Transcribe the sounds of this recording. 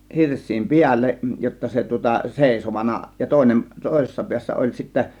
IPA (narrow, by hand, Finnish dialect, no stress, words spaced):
hirsˑiːm piælːeʔ jotːɑ se tŭŏtɑ seˑisoʋɑnɑ jɑ toˑe̝nem toˑe̝sesːɑ piæsːæ olʲ sitːæ